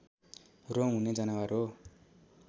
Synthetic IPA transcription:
roŋuned͡zanawaɾo

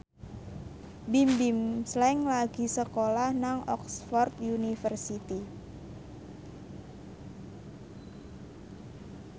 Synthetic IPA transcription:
bimbimslɛŋlaɡ̥i̤səkolahnaŋɔ̰ksfɔrt̪junifərsit̪i

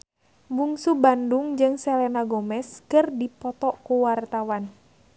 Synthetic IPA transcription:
buŋsubanduŋd͡ʒɨŋsɛlɛnaɡɔmɛskɨrdipɔt̪ɔkuwart̪awan

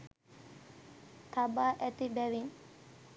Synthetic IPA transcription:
t̪ʰabaːʔæt̪ibæʋin

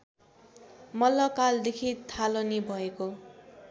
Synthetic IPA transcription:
mʌlːʌkald̪ekʰit̪ʰalonibʱʌeko

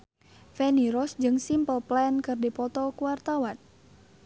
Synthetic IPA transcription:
fɛniɾɔsd͡ʒɨŋsimpəlplɛnkɨrdipɔt̪ɔkuwart̪awan

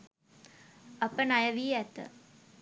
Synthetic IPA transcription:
ɐpənajəʋiːɛt̪ə̰

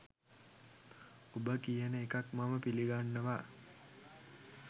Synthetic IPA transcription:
ubəkijənəekakmaməpiliɡanːəʋa

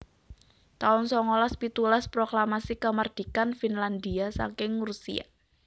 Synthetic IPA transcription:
t̪aʊnsɔŋolaspit̪ulaspɾoklamasikəmard̪̥i̤kanfinland̪iasa̰ŋkɪŋɾusḭa̰

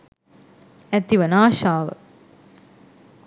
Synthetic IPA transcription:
ɛt̪iʋɐnaːʃaːʋɐ̰

